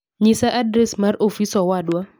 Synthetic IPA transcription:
ɲɪsaʔadɾɛsmarofisɔwadwa

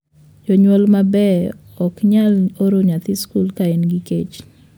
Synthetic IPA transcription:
d͡ʒoɲwɔlmabɛ | ɔkɲaloɾoɲat̪iskulkaenɡikḛt͡ʃ

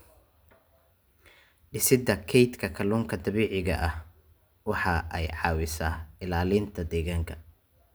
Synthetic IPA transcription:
ɖɪsɪd̪ɐkʰɛjt̪kʰɐkʰɐluːŋkʰɐd̪ɐβiːʕɪɣɐʔɐh | wɑħɑʔɛjʕɑːwɪsaːɪlaːliːnt̪ʰɐd̪ɛːɣaːŋkʰɐ

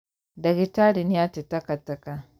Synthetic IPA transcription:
daɡitaɾinijatitakatːaka

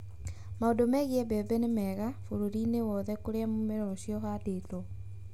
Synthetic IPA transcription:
maondomɛɣiɛbɛbɛnemɛɣafoɾoɾinewɔðɛkoɾeamomeɾɔɕiɔhadetɔ

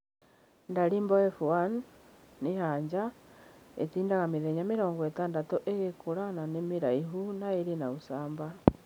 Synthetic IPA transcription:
ndaɾiːmbɔɛfuanː | eɦaɲd͡ʒa | ḛtiːndaɣameðeɲameɾɔːŋɡɔwetaːndatɔʔeɣekoɾananemeɾaiɦunaeɾenausaːmba

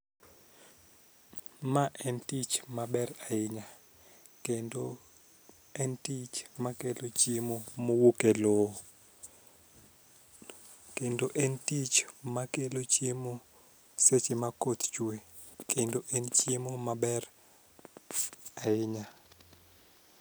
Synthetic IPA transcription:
maʔɛntit͡ʃmaɓɛraɪɲa | kendo | ɛntit͡ʃmakelot͡ʃiemomowukɛlo | kendoʔɛntit͡ʃmakelot͡ʃiemo | set͡ʃɪmakot̪t͡ʃue | kʰendoʔent͡ʃiemomaɓɛr | aɪɲa

